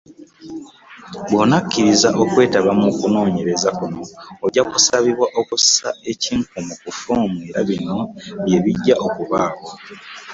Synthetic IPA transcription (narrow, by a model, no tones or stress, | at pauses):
bonakːiɾizaʔo̞kwe̞ːtaβamukuno̞ːɲe̞ɾe̞zakuno̞ːɟakusaβiβwaʔo̞kussae̞ciːŋkumukufoːmiɾaβino̞βje̞βiɟːaʔo̞kuβaːβwa